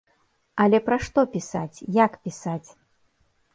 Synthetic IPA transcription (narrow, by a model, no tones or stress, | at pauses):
ɐlʲɛpɾaʂt̪ɔpʲisat͡sʲjakpʲisat͡sʲ